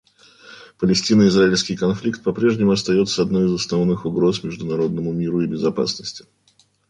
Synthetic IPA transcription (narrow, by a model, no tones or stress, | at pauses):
pəlʲɪsʲtʲinəɪzɾaɪlʲskʲɪjkɐnflʲikt̪̚pɐpɾʲe̞ʐnʲɪmʊɐst̪ɐjo̞t̪səɐd̪no̞jɪzəsnɐvnɨxʊɡɾo̞smʲɪʐd̪ʊnɐɾo̞d̪̚nəmʊmʲiɾʊɪbʲɪzɐpa̰snəsʲtʲɪ̥